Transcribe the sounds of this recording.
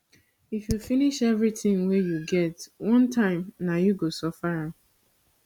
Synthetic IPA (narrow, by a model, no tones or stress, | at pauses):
ifjufiniʃɛvɹitɪ̃ŋwɛjuɡɛtwɔ̃ntʰãɪ̃mnajuɡosɔfaɹa